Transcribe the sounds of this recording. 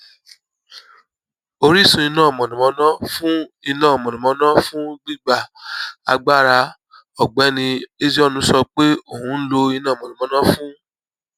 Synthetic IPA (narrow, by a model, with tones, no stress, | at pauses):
o˧ɾi˦˨sũ˧i˧nãː˦˨mɔ̃˨nĩ˨mɔ̃˧˦nã˦fũ˦i˧nã˦˨mɔ̃˨nĩ˨mɔ̃˨˧˦nã˦fũ˦ɡ͡bi˦˨ɡ͡ba˦˨a̰˧ɡ͡ba˦˨ɾa˧ | ɔ˨ɡ͡bɛ˨˦nĩ˧e˦d͡ʒɔ˦nũ˧˦sɔ˧k͡pe˦o˦˨hũ˨˧˦n̩˦lo˧i˧nãː˦˨mɔ̃˨ĩ˨ɔ̃˧˦nã˦fũ˦